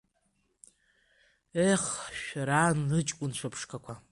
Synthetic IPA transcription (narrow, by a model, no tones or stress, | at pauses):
eχʃɾanlɨt͡ʃʼkʷʼʊnʃʷʰapʰʂkʰʼakʷʰa